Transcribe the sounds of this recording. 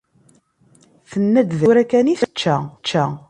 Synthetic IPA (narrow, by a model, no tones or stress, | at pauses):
θənːæd̪ðuɾækæniθt͡ʃːæt͡ʃːæ